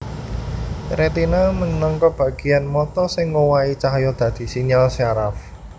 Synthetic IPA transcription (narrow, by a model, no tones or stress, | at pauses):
ɾet̪inamənɔŋkɔb̥ä̤ɡ̥ijanmɔt̪ɔsɪŋːowait͡ʃaɦjɔd̪̥ä̤d̪̥i̤siɲalsaɾaf